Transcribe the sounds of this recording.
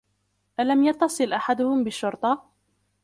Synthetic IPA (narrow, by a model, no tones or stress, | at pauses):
ʔalamjɑt̪ːɑsˤɨlʔaħad̪ʊhʊmbɪʃːʊɾt̪ˤɑ